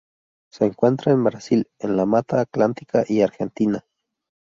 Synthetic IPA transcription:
seːŋkwent̪ɾaembɾasilenlamat̪aːklant̪i̥kʰaʔiaɾxent̪ina

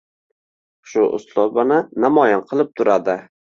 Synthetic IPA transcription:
ʃʊʔʊ̰slˠɒbanɪnamɒjɪnqʰɨlˠɪp̚t̪ʰʊɾad̪ɪ

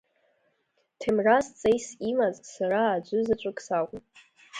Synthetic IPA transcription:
tʰemrast͡sʼejsimazsaraːd͡ʒʷɨzat͡ʃʷʼʊkʼsakʷʼʊm

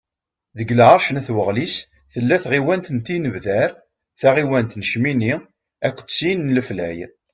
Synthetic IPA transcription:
ðəɡəlʕaɾˤʃənæθwəʁlis | θəlːæθʁiwænt̪ənt̪ːinəvðæɾ | θæʁiwænt̪nəʃmini | ækʷːt͡sːsinnləflæ̰j

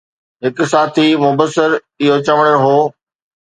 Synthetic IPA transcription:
ɦɪksaːt̪ʰimʊbəsːɪɾ | ɪɦot͡ɕɐʋəɽ̃əɽɦoː

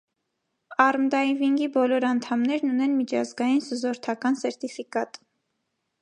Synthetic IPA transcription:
ɑrmd̪ɑiviŋɡibɔlɔɾɑnt̪ʰɑmnɛɾnunɛnmit͡ʃʰɑzɡɑjinsuzɔɾt̪ʰɑkɑnsɛɾt̪ifikɑt̪

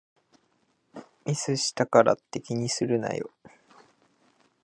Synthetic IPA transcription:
mʲisɨɕi̥t̪akaɾa̰t̪ːe̞kʲiɲ̟isɨɾɯ̟na̰jo̰

